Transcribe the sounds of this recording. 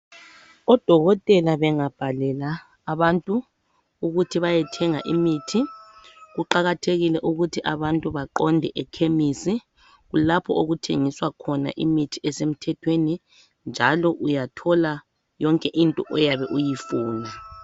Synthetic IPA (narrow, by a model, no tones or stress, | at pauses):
ɔd̥ʱɔɣɔtʼɛlaβɛŋab̥ʱalɛlaː | βantʼu | uɣutʰiβajɛtʰɛŋa̰ʔimitʰi | ɣuǃaɣatʰeɣilɛʔuɣutʰiʔaβantʼuβaǃɔndʱɛʔɛkʰemisi | ɣulapʰɔʔoɣutʰeŋiswakʰɔna̰ʔimitʰiɛsem̩tʰɛtʰweni | nd͡ʒʱalɔʔujatʰɔla | jɔŋkʼɛʔintʼɔʔɔjaβɛʔujifuːna